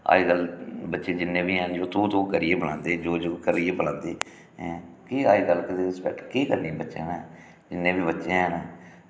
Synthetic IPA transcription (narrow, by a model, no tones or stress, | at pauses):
a̰ːiːɡəlbətːʃẽːd͡ʒɪnːẽːbiːɛ̃ːnd͡ʒoːt̪ũːt̪õːkəɾiːeːbəlãːnd̪eːd͡ʒoːd͡ʒoːkəɾiːeːbəlãːnd̪eː | kiːaːiːɡəlkɪt̪eːɪspɛ̰k̚ʈkiːkəɾnĩːbətːʃḛ̃ːnɛː | d͡ʒɪnːẽːbiːbətːʃẽːɦɛːnː